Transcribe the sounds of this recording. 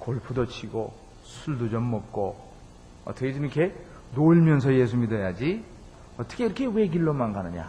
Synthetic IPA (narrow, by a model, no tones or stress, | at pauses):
koɭpʰudʌt͡ɕʰiɡo | sʰuɭdud͡ʑʌmːʌk̚k͈o | ʌ̰t͈ʌkʰed͡ʑimikʰe | noiɭmjʌns̬ʰʌjes̬ʰumidejad͡ʑi | ʌt͈ʌ̥kʰeiɾʌkʰe̞we̞ɡiɭːomanɡanɯɲa̰